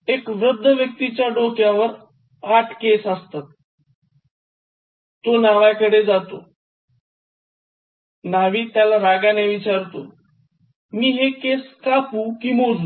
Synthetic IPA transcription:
ekʋɾəd̪ʱːəʋjək̚t̪it͡ɕjaɖokjaʋəɾ | aʈʰkesəst̪at̪̚ | t̪ːonaʋajkəɽed͡zat̪o | naʋiːt̪jalaɾaɡaneʋit͡ɕaɾt̪o̰ | miːɦekeskapukiːmoɾlu

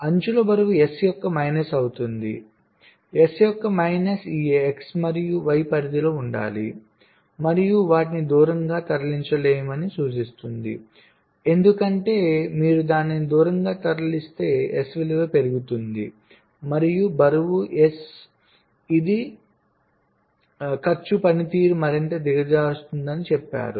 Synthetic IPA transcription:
ɐɲt͡ʃulobɐɾɐʋue̞sjɔkːɐmɐjnɐsɐwut̪und̪ḭ | e̞sjɔkːɐmɐjnɐsiːeksmɐɾijuʋɐjpɐɾid̪iloːuɳɖa̰ːlḭ | mɐɾijuʋaːʈ̬inid̪uːɾɐŋɡaːt̪ɐɾɐliɲt͡ʃɐleːjɐmɐnisuːt͡ʃist̪und̪ḭ | e̞nd̪ukɐɳʈe̞ːmiːɾud̪aːnːinid̪uːɾɐŋɡaːt̪ɐɾɐlist̪e̞ːesʋiliʋepe̞ɾuɡut̪und̪ḭ | mɐɾijubɐɾuʋuʔes | id̪i | kɐɾt͡ʃːupɐnit̪iːɾumɐɾint̪ɐd̪iɡɐd͡ʒaːust̪und̪ɐnit͡ʃɛpːa̰ːɾu

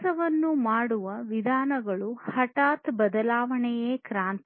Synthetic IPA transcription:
ɐʋɐnːumaːɽuʋɐʋid̪ʱaːnɐɡɐɭuhɐʈaːt̪bɐd̪ɐlaːʋɐɳɛjeːkɾaːnt̪

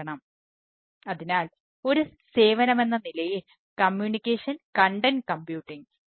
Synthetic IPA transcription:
ɐɳɐm | ɐðinaːl | o̞ɾuse̞ːʋɐnɐme̞nːɐnilɐjil | kɐmjuːnikʲːeːʂɐnkɐɳɖɐnkɐmpjuːʈːiŋ

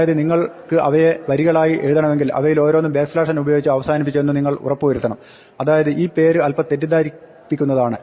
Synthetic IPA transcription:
jɐðɨniŋːɐɭkɨʔɐʋɐje̞ʋɐɾiɣɐɭaːjiʔe̞ɻuðɐɳɐme̞ŋɡilʔɐ̰ʋɐjilo̞ːɾoːnːumbe̞ːkslaːʂɐnubɐjoːɡit͡ɕːuɐʋɐsaːnipːit͡ɕːenːɨniŋːɐɭṵrɐpːuːeɾut̪ːɐɳɐm | ɐðaːjɐðɨʔiːpe̞ːɾɨɐlpɐt̪ːe̞tːid̪aːɾi | pːikʲːunːɐðaːɳɨ

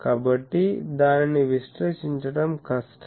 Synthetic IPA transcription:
kaːbɐʈːid̪aːniniʋisʈɾeːʃiɲt͡ʃɐɽɐmkɐsʈʰ

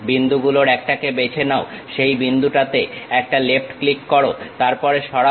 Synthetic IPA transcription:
bind̪ʱuɡuloɾɛk̚ʈakebet͡ɕʰenaoʃejbind̪ʱuʈat̪eɛk̚ʈalefʈklikːɔɾot̪aɾpɔɾeʃɔɽa

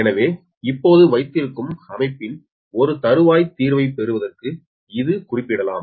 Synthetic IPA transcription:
ɛnɐʋeː | ɪpːoːðɯʋɐɪt̪ːɪɾkːɯmɐmɐɪpːɪn | ɔɾɯt̪ɐɾɯʋaːjt̪iːɾʋɐɪpɛɾɯʋɐðɐrkɯ | ɪðɯkʊrɪpːɪɽɐla̰ːm

